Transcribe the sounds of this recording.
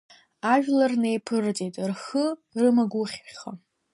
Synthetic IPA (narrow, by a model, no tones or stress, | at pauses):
aʒᶣlarnejpʰɨrt͡sʼejtʼrxərɨmaɡʷʊχʲχa